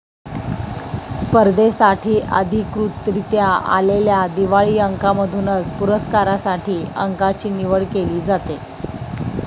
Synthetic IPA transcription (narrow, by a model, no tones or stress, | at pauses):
spəɾd̪ʱesaʈʰiːʔə̰d̪ʱikɾut̪ːɾit̪jaa̰leljad̪iʋaɭiːəŋkaməd̪ʱunət͡spuɾəskaɾasaʈʰiːəŋkat͡ɕiːniʋəɭkeliːd͡zat̪e